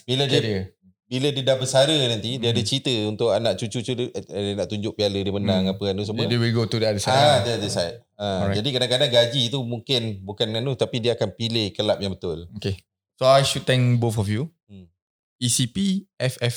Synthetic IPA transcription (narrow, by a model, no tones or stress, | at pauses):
bilədiə | bilədiədahbəsaɾənãnt̪idiəadət͡ʃit̪əunt̪ʊʔanaʔt͡ʃut͡ʃut͡ʃudnaʔt̪uɲd͡ʒʊʔ̚pialədiəmənãŋapəanus̬əmədewilɡot̪udiadəsaadədəsajt̚ | əad͡ʒadikadãkadaŋɡad͡ʒit̪umũŋkɪnbukananut̪apidiəakanpilekəlap̚jaŋbət̪ʊloke | soajʃud̚t̪ɛ̃ŋbofɔfju | isipiɛfɛf